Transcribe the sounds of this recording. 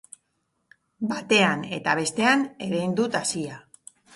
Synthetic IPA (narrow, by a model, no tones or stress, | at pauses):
bat̪e̞ane̞t̪aβ̞e̞st̪e̞ane̞ɾejnd̪ut̪asia